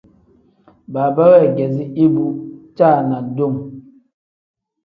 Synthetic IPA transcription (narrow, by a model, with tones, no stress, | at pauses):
ba˨ba˦wɛ˦˨ɡɛ˨zi˦i˦bu˨t͡ʃa˦˨na˨do˦˨ŋ